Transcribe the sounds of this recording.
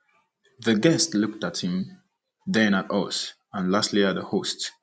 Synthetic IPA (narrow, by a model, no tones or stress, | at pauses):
ðəɡɛstlʊk̚tat̚hɪ̃m | ðɛ̃natʌs | ə̃nlastliat̚ðəhost